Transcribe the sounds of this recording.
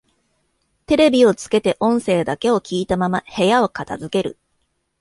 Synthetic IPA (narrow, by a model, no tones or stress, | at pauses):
t̪e̞ɾe̞bʲio̞t͡sɨ̥ke̞t̪e̞ʔõ̞ɰ̃se̞ːd̪ake̞o̞kʲiːt̪amamahe̞jao̞kat̪azɨke̞ɾɯ̟